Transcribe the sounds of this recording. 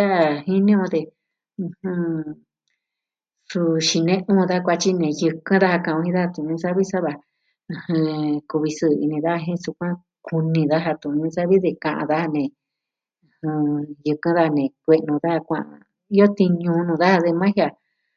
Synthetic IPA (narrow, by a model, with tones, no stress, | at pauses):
a˦˨hĩ˦nĩ˦ũ˧d̪ẽ˧ | hũ˧ | su˧ʃi˧nẽ˦ʔũː˦˧ða˦kʷa˧t͡ʃi˦nẽ˨jɨ˧kɨ̃˦ða˦ha˧kã˧˨ũ˧hĩ˦ða˦ha˧t̪ũ˧˨˧ɲũ˧˦sa˦βi˦sa˦βã˧ | hɨ̃˧ku˧βi˧sɨ˧˨˧ḭ˧nĩ˧ða˦a˧ɦĩ˦su˧kʷã˦ | ku˧nĩ˧ða˦ɦa˧t̪ũ˧˨˧ɲũ˧˦sa˦βi˦ðe˧kã˨ʔã̰˧ða˦ha˧nẽ˨˧˨ | hũ˧jɨ˧kã˧˦ða˦˧nẽ˨kʷe˧ʔnũ˧ða˦ha˧kʷã̰˧ʔa̰˧ | i˦o˦t̪i˧ɲũ˧nũ˧ða˦ha˧ðe˧mã˦hja˧˨